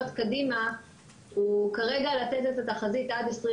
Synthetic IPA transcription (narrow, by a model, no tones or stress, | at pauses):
ot̪kadima | ukaʁeɡalatetetataχazitadesʁi